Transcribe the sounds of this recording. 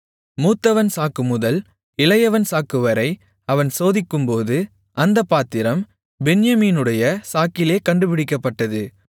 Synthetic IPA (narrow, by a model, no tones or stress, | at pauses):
muːt̪ːɐʋɐnsaːkɯmʊðɐl | ɪlɐjɐʋɐnsaːkɯʋɐɾɐɪ | ɐʋɐnsoːðɪkːɯmpoːðɯ | ʔɐnd̪ɐpːaːt̪ːɪɾɐm | bɛnjɐmiːnɯɽɐjɐsaːkɪleːkɐɳɖɯpɪɽɪkːɐpːɐʈːɐðɯ